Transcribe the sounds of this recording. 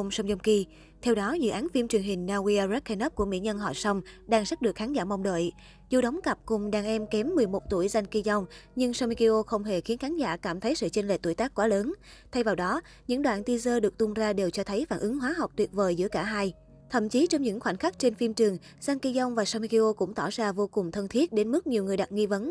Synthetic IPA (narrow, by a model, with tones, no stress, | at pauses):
ŋ͡msa˧wŋ͡mzŋ͡mki˧ | t̪ʰɛ˧wɗɔ˨˦zɨ̰˧˨ʔaː˨˦nfi˧mt͡ɕɨ˨˩əŋɦï˨˩ŋ̟naː˧wi˧a˧zɛ˦˥k̚xa˧nə˦˥p̚ku˧˩mḭ˧˥əɲə˧nɦɔ̰˧˨sɔ˧wŋ͡mɗaː˧ŋsa˦˥t̚ɗɨ˨˩ək̚xaː˨˦nzaː˧˩ma˧wŋ͡mɗə̰ː˧˨j | zṵ˧˩ɗə˨˦wŋ͡mkə˨˩p̚kʊ˨˩ŋ͡mɗaː˧˩ŋʔɛ˧mkɛ˨˦mːɨ˨˩əjmo˨˩t̚t̪u˧˩əjza˧ŋki˧za˧wŋ͡mɲɨ˧ŋsa˧wmi˧ki˧ʔo˧xə˧wŋ͡mɦe˧˩xi˨˦ənxaː˨˦nza̰ː˧˩kaː˧˩mt̪ʰə˨˦jsɨ̰˧˨t͡ɕe˧nlḛ˧˩t̪u˧˩˨jt̪aː˦˥kːwaː˨˦ləː˨˦nt̪ʰa˧jvaː˨˩wɗɔ˨˦ | ɲɨ̰˧˥ŋɗwa̰ː˧˨nt̪i˧zəː˧ɗɨ˨˩ək̚t̪ʊ˧ŋ͡mzaː˧ɗe˨˩wt͡ɕɔ˧t̪ʰə˨˦jfaː˧˩˨nʔɨ˨˦ŋɦwaː˨˦ɦa˨˩wk͡p̚t̪wi˨˩ət̚vəː˨˩jzɨ̰˧˥əkaː˧˩ɦaː˧j | t̪ʰə̰˧˩˨mt͡ɕi˨˦t͡ɕɔ˧wŋ͡mɲɨ̰˧˥ŋxwa˧˩n̟xa˦˥k̟̚t͡ɕe˧nfi˧mt͡ɕɨ˨˩əŋ | za˧nki˧za˧wŋ͡mvaː˨˩sa˧wmi˧ki˧ʔo˧kʊ̰˧˥ŋ͡mt̪ɔ˧˩zaː˧vo˧kʊ˨˩ŋ͡mt̪ʰə˧nt̪ʰi˦˥ət̚ɗe˨˦nmɨ˦˥k̚ɲi˨˩əwŋɨ˨˩əjɗa˨˩t̚ŋi˧və˨˦n